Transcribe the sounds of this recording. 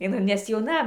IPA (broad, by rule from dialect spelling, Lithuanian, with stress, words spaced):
ɪˈnɐɪ nʲɛs jɛʊˈnɐ